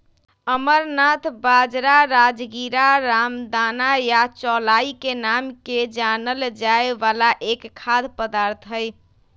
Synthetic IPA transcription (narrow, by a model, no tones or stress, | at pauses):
əməɾnat̪ʰbad͡ʒɾaɾad͡ʒɡiɾaɾamd̪anajat͡ʃɔlaikenamked͡ʒanəld͡ʒaeʋalaʔekkʰːad̪ʱpəd̪aɾt̪ʰɦəj